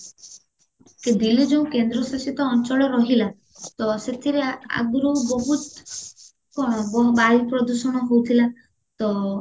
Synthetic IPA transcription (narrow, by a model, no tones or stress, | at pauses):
kebilid͡ʒeũkend̪ɾɔsasit̪ɔːnt͡ʃɔɭeɾɔɦila | t̪ɔset̪ʰiɾea̰ɡɾɔɦɔbɔɦut̪ | kɔɔbajpɾɔd̪usɔɽ̃ɔɦowt̪ʰila | t̪ɔ